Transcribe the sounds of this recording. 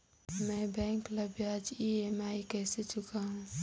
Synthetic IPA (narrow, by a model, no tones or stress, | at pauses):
mɛ̃bɛ̃ŋkləbjad͡ʒiemajkəɦset͡ʃʰukʰaɦũ